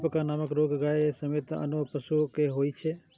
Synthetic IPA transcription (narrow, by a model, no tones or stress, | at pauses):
pəkanaməkɾoɡɡajesəmet̪ə̰nupəʃukeɦoit͡ʃʰe